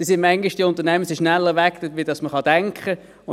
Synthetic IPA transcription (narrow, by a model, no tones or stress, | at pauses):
isɪnmɛŋɡɪʃd̥iʊnt̪ənɛməsiɪʃnɛlːəʋɛktətʋid̥ɑsməχɑd̥ɛŋkχə